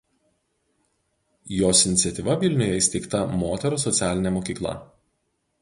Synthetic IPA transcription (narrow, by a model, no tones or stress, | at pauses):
joːsɪnʲɪt̪sʲɛt̪ʲiːˑʋɐʋʲɪlʲnʲʊjɛɪsʲt̪ʲɛɪkt̪ɐmoːt̪ʲɛɾoːsɔt̪sʲæːlʲɪnʲɛmoːkʲiːklˠɐ̰